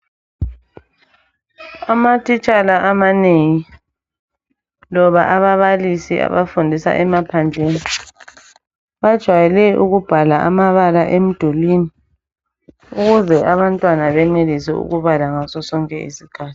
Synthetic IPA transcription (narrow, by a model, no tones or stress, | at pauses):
amatʰit͡ʃʼalaʔamaneŋi | lɔβaʔaβaβalisiʔa̰βafundʱisa̰ʔɛmapʰand͡ʒʱeni | βad̥ʒ̥ʱwajɛlɛʔuɣub̥ʱalaʔamaβalaʔem̩d̥ʱulini | uɣuzɛʔaβantʼwanaβɛŋ͡ǀelisɛ̰ṵɣuβalaŋasɔsɔŋkʼɛḭsiɡ̥ʱaːtʰi̥